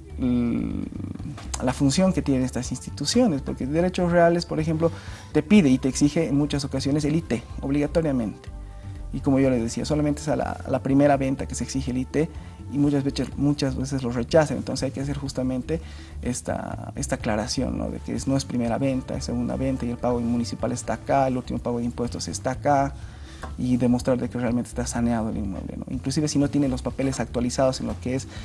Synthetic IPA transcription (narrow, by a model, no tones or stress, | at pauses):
lafunsjo̞ŋket̪je̞neest̪asinst̪i̥t̪usjo̞nespo̞ɾked̪eɾe̞t͡ʃo̞sreale̞spoɾexe̞mplot̪e̞piðeit̪eːksixeːnmũt͡ʃasokasjo̞neselit̪eoβliɣat̪oɾjamẽ̞nt̪e̥ | iko̞moʝo̞le̞zðesiaso̞lament̪eesala̰lapɾime̞ɾaβe̞nt̪akeseksixelit̪e | imut͡ʃazβe̞sesmũt͡ʃazβesezlore̞t͡ʃasanḛnt̪o̞nsesajkeas̬e̞ɾxust̪amẽnt̪e̞ | est̪a̰e̞̰st̪aːklaɾasjo̞̰nːo̰ðḛkḛesno̞espɾime̞ɾa̰βe̞nt̪a̰esːeɣund̪a̰βe̞nt̪aielpaɣo̞mũnisipale̞st̪akaelult̪imopaɣo̞ð̞eimpwe̞st̪o̞se̞̰st̪aka | iðe̞mo̞st̪ɾaɾðe̞kerealment̪e̥st̪asaneaðoelḭnmwḛβlḛno̰ḭŋklusiβe̞sino̞t̪je̞nelo̞spape̞lesak̚t̪walisaðo̞senlokees